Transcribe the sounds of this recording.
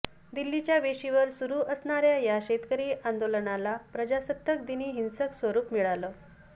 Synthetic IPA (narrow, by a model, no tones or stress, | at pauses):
d̪ilːit͡ɕjaʋeɕiʋəɾsuɾuːʔəsɳaɾjajaɕet̪kəɾiːʔand̪olənalapɾəd͡ʑasət̪ːək̚d̪iniːɦinsəksʋəɾuːpmiɭaləː